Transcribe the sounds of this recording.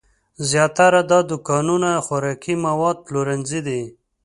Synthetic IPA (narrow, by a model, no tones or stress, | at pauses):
zjɑt̪aɾad̪ɑd̪ʊkɑnunaxaɾɑkimawɑd̪̚ploɾanzid̪i